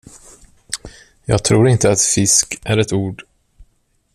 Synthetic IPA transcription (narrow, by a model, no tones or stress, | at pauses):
jɑ̰ːɡt̪ʰɾuːɾɪnt̪əat̪fɪskʔæɾɛt̪uːɖ